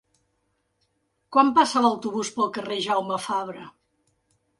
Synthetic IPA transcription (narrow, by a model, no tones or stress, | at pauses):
kwampasələwt̪uβuspəlˠkəreʒawməfaβɾə